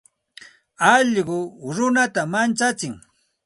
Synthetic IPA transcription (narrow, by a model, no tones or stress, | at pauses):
ɑʎɢʊɾʊnat̪amant͡ʃat͡sɪŋ